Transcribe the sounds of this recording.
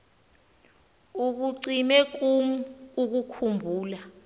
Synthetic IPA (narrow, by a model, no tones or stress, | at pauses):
uk̬uǀimɛk̬umuuk̬ukʰumbʱuːla